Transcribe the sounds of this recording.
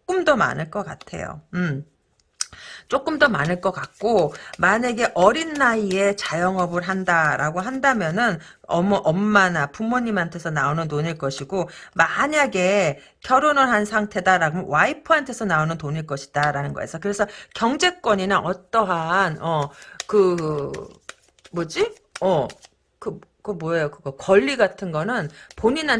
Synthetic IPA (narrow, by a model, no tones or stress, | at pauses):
ok͈ɯmdʌma̰nɯɭk͈ʌk͈a̰tʰe̞̰jo̰ɯm | t͡ɕ͈ok͈ɯmdʌma̰nɯɭk͈ʌk͈ak̚k͈omaɲeɡe̞ʔʌɾinːaie̞t͡ɕajʌŋʌbɯɭɦandaɾaɡoɦandamjʌnɯn | ʌ̰mʌʔʌmːanapumːoɲːimantʰe̞sʰʌnaonɯntoɲiɭk͈ʌɕʰiɡomaɲaɡe̞ | kʰjʌɾonɯɭɦansʰaŋtʰe̞daɾaɡomwaipʰɯɦantʰesʰʌnaonɯntoɲiɭk͈ʌɕʰi̥d̥aɾanɯnɡʌḛsʰʌkɯɾe̞sʰʌkjʌŋd͡ʑe̞k͈wʌɲinaʔʌt͈ʌɦanʌkɯ | mʌd͡ʑi | ʌ | kɯkɯmwʌʌjokɯɡʌkʌʎːiɡatʰɯnɡʌnɯnpoɲina